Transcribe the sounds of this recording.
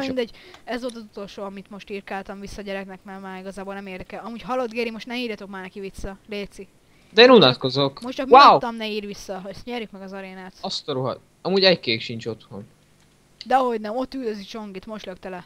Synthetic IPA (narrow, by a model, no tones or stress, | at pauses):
mind̪ɛɟɛzʋo̞lt̪ɒzut̪o̞lʃoːɒmit̪mo̞ʃt̪iːrkaːlt̪ɒɱvisːɒɟɛɾɛknɛkmɛrmaːɾiɡɒzaːbo̞lnɛmeːrd̪ɛkɛlɒmuːɟɦɒlːod̪ɡeːɾimo̞ʃtnɛiːrjɒt̪o̞k̚maːrnɛkiʋisːɒleːt̪si | d̪ɛeːnunɒt̪ko̞zokmoʃtt͡ʃɒkmawt̪ɒmnɛiːrʋisːɒɦɛst̪ɲɛɾjykmɛɡɒzɒɾeːnaːt̪ɒst̪oɾuɦɒ̰t̪ | ɒmuːɟɛckeːkʃint͡ʃo̞t̪ho̰n | d̪ɛɒɦo̞ɟnɛmo̞t̪ːyld̪øzit͡ʃo̞ŋɡit̪mo̞ʃløkt̪ɛlɛ